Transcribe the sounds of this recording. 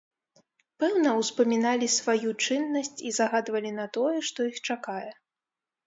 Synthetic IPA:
pɛwnɐwspɐmʲinalʲisvajut͡ʂɨnːɐsʲt͡sʲizaɣad̪vɐlʲinɐt̪ɔjɛʂt̪ɔixt͡ʂakajɛ

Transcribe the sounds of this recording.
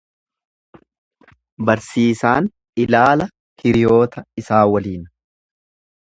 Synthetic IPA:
bɐɾsiːsaːn | ɪlaːlɐ | kʰɪɾɪjo̞ːt̪ɐɪsaːwɐliːn

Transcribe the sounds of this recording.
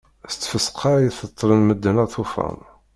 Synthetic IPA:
st͡sːfəsqʰɑɾjiθət̪ˤːɾənməd̪ːənæt̪ˤufæ̰m

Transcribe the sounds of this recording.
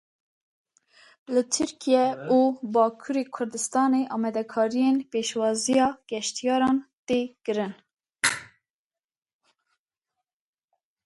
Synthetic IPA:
lɨt̪ʰɨɾkʰijɛuːbɑːkʰuɾeːkʰʊɾd̪ɨst̪ɑːneːʔɑːmɛd̪ɛkʰɑːɾijenpeːʃwɑːzijɑːɡ̥ɛʃt̪ijɑːɾɑːnt̪eːkɨɾɨn

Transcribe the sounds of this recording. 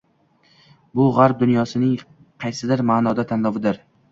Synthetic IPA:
bʊʁaɾp̚d̪ʊnjɒsɪnɪŋ | qʰɑjsɪd̪ɪɾmaːnɒd̪at̪ʰanlˠɒvɪd̪ɪɾ

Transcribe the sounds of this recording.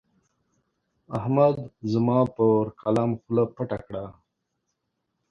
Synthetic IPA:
ahmad̪zəmɑpəɾkʰalamxlapaʈakɽa

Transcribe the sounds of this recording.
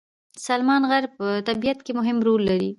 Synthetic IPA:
salmɑnɣaɾpət̪abijat̪kemʊɦɪmɾolːaɾi

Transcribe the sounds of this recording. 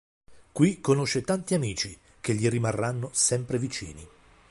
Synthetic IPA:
kwikːonoʃːet̪ant̪iamiːt͡ʃi | k̟eʎːirimarːanːosɛmpɾevit͡ʃḭːni

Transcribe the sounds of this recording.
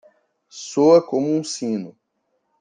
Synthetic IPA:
soɐkõmʊũsĩnʊ

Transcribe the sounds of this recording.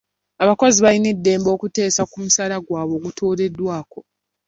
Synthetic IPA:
aβako̞ziβaline̞dːe̞ːmbo̞ːkute̞ːsakumusalaɡwaːβo̞ːɡutʰoːɾe̞dːwaːko̞

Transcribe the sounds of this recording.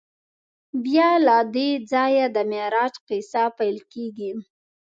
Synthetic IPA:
bjɑlad̪ed͡zɑjad̪əmeɾɑt͡ʃqisapajlkeɡi

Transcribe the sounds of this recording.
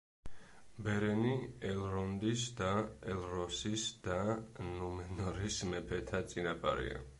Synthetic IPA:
bɛɾɛniɛlɾɔnd̪isd̪aɛlˠɾɔsisd̪anumɛnɔɾismɛpʰɛt̪ʰat̪sʼinapʼa̰ɾḭa̰

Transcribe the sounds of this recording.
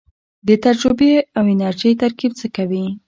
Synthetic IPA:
b̪et̪ad͡ʒɾʊbeawɪnaɾʒijt̪aɾkib̚t͡səkawi

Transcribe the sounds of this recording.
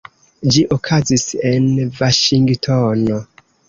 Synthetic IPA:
d͡ʒiʔokʰazise̞nvaʃiŋɡtʰono

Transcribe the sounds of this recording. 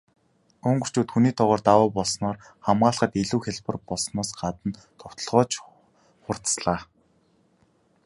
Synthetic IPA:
ɵŋɡɵ̆r̥t͡ɕuːt̪xuniːt̪ʰɔʁɔːrt̪awʊːpɔɮsnɔːr | χamɢaːɮχə̆t̪eɮuːxʲeɮpə̆rpɔɮsnɔːsɢat̪ə̆n | t̪ʰɔw̥t̪ɞ̆ɮʁɔːt͡ɕ | χʊr̥t̪sɮaː

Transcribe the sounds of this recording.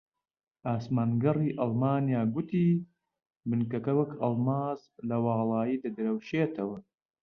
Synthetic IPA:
ʔaːsmaːnɡɐrˤiːʔɐlˠmaːnjaːɡut̪iː | bɨnkɐkɐwɐkʰɐlˠmaːz | lɐwɑːlˠɑːjiːd̪ɐd̪ɨɾɐwʃeːt̪ʰɐwɐ

